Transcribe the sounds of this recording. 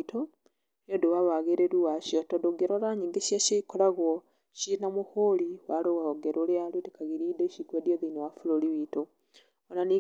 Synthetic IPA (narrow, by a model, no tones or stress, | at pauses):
to | jodowaβaɣeɾeɾuwaʃiotodoɡeɾolaɲiŋɡeʃjaʃeikolaɣo | ʃinamuholiwaloɣaoɡeɾolealutekaɣiɾideʃikwedjoðinowafuloliβito | onani